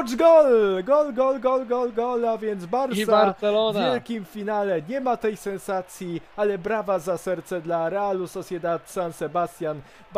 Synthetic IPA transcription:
d͡ʒɡɔlɡɔlɡɔlɡɔlɡɔlɡɔlavʲjɛnd̪zbaɾsiaɾɛlɔnvjaɛlkʲimfʲinalɛɲɛmat̪ɛjsɛnsat̪sʲjialɛbɾavazasɛɾt̪sɛd̪laɾɛalusɔsʲjɛd̪at̪sansɛbast̪ʲjan | b

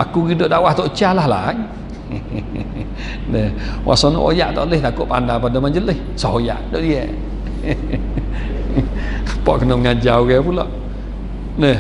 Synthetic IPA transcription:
ʔakuɡidoʔdawaht̪ɔʔt͡ʃalahla̰ŋ | nəhwʔa̰sanɔ̰ʔo̰ja̰ʔt̪ɔ̰ʔleht̪akoʔpa̰ndapadamaɲd͡ʒələh | sɔɦoja̰ʔdoʔdiə | pɔʔkənoʔŋad͡ʒawkɛpulɔʔ | nəh

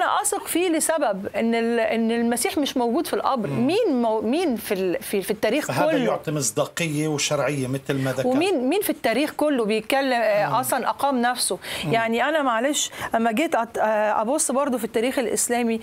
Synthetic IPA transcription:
ʔænæ̰ʔɑsˤɑqfiːlesæbæbʔenːelʔenːelmæsiːħmeʃmowɡuːd̪filʔɑ̰bɾmiːnmmiːnfilfifit̪ːæːɾiːxkæolæːjoʕt̪imesˤd̪ɑːqejːeweʃɑɾˤʕejːemet̪lmæðæwemiːnmiːnfit̪ːæːɾiːxkolːobejet̪̚kælːemʔɑsˤlɑnʔæqɑːmnæfsojaʕniʔænæmæʕaleːʃʔæmːæɡeːt̪ʔɑʔɑ̰bosˤːbɑɾˤd̪ˤofit̪ːæːɾiːxelʔḛslæːmi

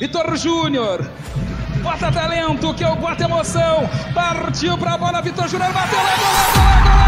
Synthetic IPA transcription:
vit̪oɾʒũnjoɾ | ɡat̪ɐt̪alẽnt̪ʊkewɡwat̪emosɐ̃w̃paɾt͡ʃiwpɾɐbɔlɐvit̪oɾʒũnjoɾbat̪ewlak̪oat̪e

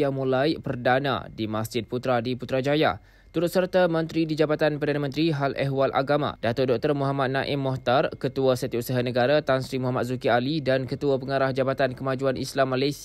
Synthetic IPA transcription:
amũlajpərdanã̰dimasd͡ʒɪt̪̚put̪ɾadiput̪ɾad͡ʒaja̰ | t̪uɾʊt̪̚sərt̪amə̃nt̪ɾidid͡ʒabat̪anpərdanãmə̃nt̪ɾiɦalʔɛɦwalʔa̰ɡamã̰dat̪ʊrdɔk̚t̪ərmuɦamat̪̚nãʔɪmːɔht̪arkət̪uasət̪iusaɦanəɡaɾat̪ansɾimuɦamat̪̚zukialidankət̪uapəŋaɾahd͡ʒabat̪ankəmad͡ʒuanʔislamːalajs

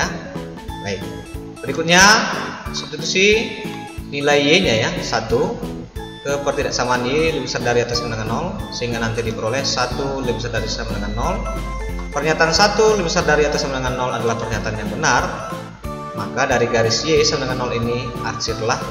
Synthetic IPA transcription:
a | baɪk̚ | pəɾikut̪̚ɲa | sat̪ut̪usih | nilaijeɲajasat̪u | kəpərt̪idaʔsamaːnjelibisardaɾiat̪asamnaŋanɔlsəɦiŋɡanant̪idipəɾolɛhsat̪ulibisardaɾisamənaŋanːɔl | pərɲat̪aːnsat̪ulibisardaɾiat̪asamənaŋanːɔladalahpərɲat̪aːnjaŋbənar | makadaɾiɡaɾɪsjesamnaŋanɔlini | at͡ʃɪrlah

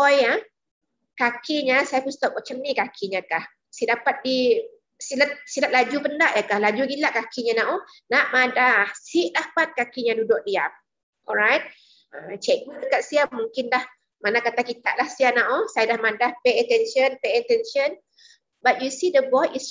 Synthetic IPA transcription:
ɔja | kakiɲasajapust̪ɔp̚mat͡ʃamnikakʰiɲakah | sidapat̪̚di | silat̪̚silat̪̚lad͡ʒupəndaʔjakahlad͡ʒuɡilaʔkakiɲanaʔo | naʔmadahsiʔdapat̪̚kakiɲãdudʊk̚diap̚ | ʔɔ̰lɹajt̪̚ | at͡ʃɛk̚bədəkat̪̚siamũŋkɪndah | manakat̪akit̪a̰ʔlahsianaʔosajadahmadahpeɛt̪ɛnʃənpeɛt̪ɛnʃən | bat̪̚jusidəbɔjis

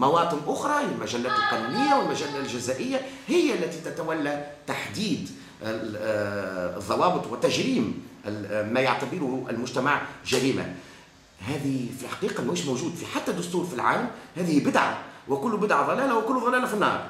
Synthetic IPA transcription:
mɑwɑːt̪ˤɨnʔʊxɾˤɑjɪlmæʒælːæːt̪ɪlq̪ɑlimɪjːawɪlmæʒælːælʒɪzæːʔɪjːahɪjːʔlːæt̪it̪æt̪æwælːæt̪aħd̪iːd̪ | ðˤːɑwɑːbɨt̪ˤwɪt̪ːæʒɾiːm | mæjaʕt̪abɪɾʊhʔɪ̰lmʊʒt̪æmaʕʒæɾiːma̰ | ɦæːðifilħɑ̥qiːqɑmiːʃmoʒuːd̪fiħat̪ːæd̪ːʊst̪uːɾfilʕa̰ːlmhæːðɪhibɪd̪ʕa̰wɪkʊlːbɪd̪ʕaðˤɑlæːlawɪkʊlːðˤɑlæːlafinːɑ̰ːɾˤ

